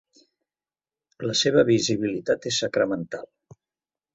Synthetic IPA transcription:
ləseβ̞əβiziβilit̪at̪esːəkɾəmənt̪alˠ

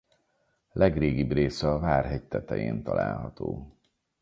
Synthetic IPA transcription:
lɛɡreːɡibreːsɛɒvaːrɦɛɟ̚t̪ɛt̪ɛjḛːnt̪ɒla̰ːlɦɒt̪oː

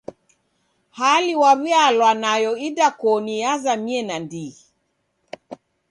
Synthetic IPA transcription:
haliwaβialwanajɔidakɔnijazamiɛnandi

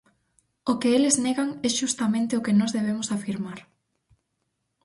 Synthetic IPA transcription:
ʊkɪelɪzneɣaŋɛʃust̪amẽnt̪ɪʊkɪnɔzðeβ̞emʊsafiɾmaɾ

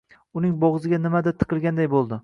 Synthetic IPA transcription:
ʊnɪŋbɒʁzɪɡʲanɪmad̪at̪ʰːɨ̥qʰɨlˠɡʲand̪ajbolˠd̪ɪ

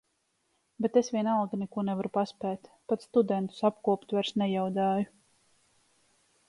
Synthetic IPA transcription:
bet̪esvʲiɛnalˠɡnɛkuɔnɛvaɾupaspɛːt̪pat̪sst̪ud̪ɛnt̪u̥sap̚kuɔpt̪vɛɾsnɛjawd̪aːju

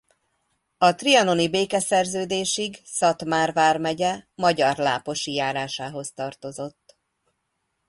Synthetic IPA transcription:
ɒt̪riɒno̞nibeːkɛsɛrzøːd̪eːʃiɡsɒt̪maːrvaːrmɛɟɛmɒɟɒrla̰ːpo̞ʃijaːɾaːʃaːɦo̞st̪ɒrt̪o̞zo̞t̪ː

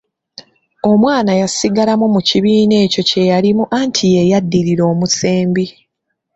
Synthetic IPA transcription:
o̞mwaːnajasiɡalamumuciβiːne̞ːco̞ce̞jalimuʔantʰijejadːiɾiɾo̞ːmuseːmbi

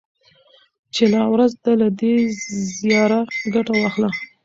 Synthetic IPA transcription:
t͡ʃelawɾazd̪alad̪ezijɑɾaɡaʈawɑxla

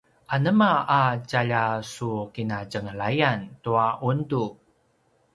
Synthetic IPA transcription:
ʔanəmaːt͡ɕaʎasukinat͡ɕəŋəɭajantuaʔundu

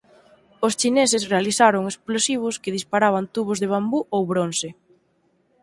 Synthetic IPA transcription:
ʊst͡ʃinesɪsrealiθaɾʊŋesplosiβ̞ʊskɪðispaɾaβ̞ant̪uβʊzðeβ̞ambuʔowβɾonse

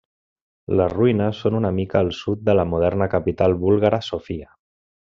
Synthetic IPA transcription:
ləzruinəsːonunəmikəːlˠsut̪̚d̪ələmuð̞ɛɾnəkəpit̪alˠβulˠɣaɾəsofiə

